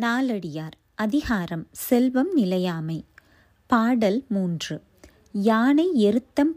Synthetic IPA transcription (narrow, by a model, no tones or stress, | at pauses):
naːlɐɽɪjaːɾ | ɐðɪɣaːɾɐmsɛlʋɐmnɪlɐjaːmɐɪ | paːɽɐlmuːndrɯ | jaːɳɐɪɛɾɯt̪ːɐm